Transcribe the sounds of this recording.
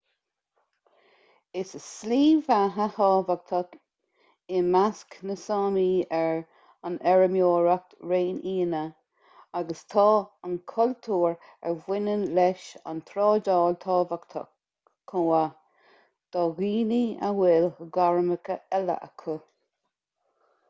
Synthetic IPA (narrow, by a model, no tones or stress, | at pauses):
ɪsəsliːvaɦəhɑːvak̚t̪ʰɔk | ɪmasknəsɑːmiːɛɹ | anɛɹəmjoːɹak̚tɹeːniːnə | aɡəst̪ʰɑːankʰʊlt̪ʰuːɹ | ɛɹwɪnənlɛʃa̰nt̪ʰɾɔːdɔːlt̪ʰɑːvakt̪ʰɔ̰kʰː | oːa | d̪̥ɔɣiːnia̰wɪləɡaɹməkəɛlə̰ʔə̰kʰu